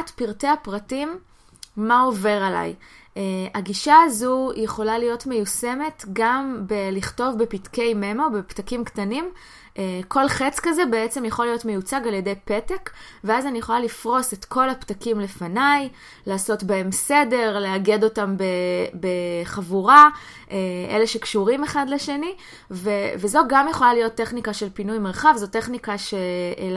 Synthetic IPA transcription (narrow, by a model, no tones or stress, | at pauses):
tpiʁteapʁatimː | ao̞ve̞ʁala̰j | eaɡiʃaːzujeχo̞lalijo̞tme̞juse̞me̞tɡambeliχto̞vbepitke̞jmemo̞beptakimktanim | ʔekʰo̞lχet͡skaze̞be̞et͡se̞mjeχolijo̞tme̞jut͡saɡalje̞dejpe̞tek | veazanijeχo̞lalifʁo̞se̞tko̞laptakimle̞fanaj | laːso̞tbae̞mse̞de̞ʁleaɡe̞do̞tambebeχavuʁa | ʔeʔḛle̞ʃe̞kʃuʁime̞χadle̞ʃe̞ni | vevezo̞ɡamjeχo̞lalijo̞tːe̞χnikaʃe̞lpinujmeʁχavzo̞te̞χnikaʃe